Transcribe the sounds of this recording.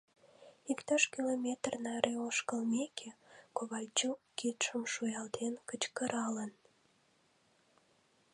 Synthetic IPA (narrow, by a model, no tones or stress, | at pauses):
ikt̪ɑʃkilomʲet̪rnɑɾʔeoʃkəlmekʰekoβɑjt͡ɕukit̪ʃəmʃujɑlt̪enkət͡ɕkəɾɑlən